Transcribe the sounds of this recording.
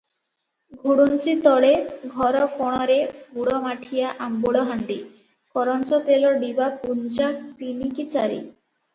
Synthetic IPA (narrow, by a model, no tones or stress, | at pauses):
ɡʱuɽunt͡ɕit̪ɔɭeɡʱɔɾɔkɔɽ̃ɔɾebuɽɔmaʈʰijaʔamboɽɔɦaɳɖi | kɔɾɔnt͡ɕɔt̪eloɖibapunt͡ɕak̚t̪inikit͡ɕaɾḭ